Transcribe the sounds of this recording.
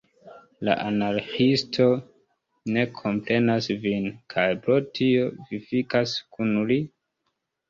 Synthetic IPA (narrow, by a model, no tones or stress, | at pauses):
la̰ʔanaɾxistʰo̞ | ne̞kʰo̞mpɾe̞nasvinkʰajpɾo̞tʰio̞vifikaskʰunli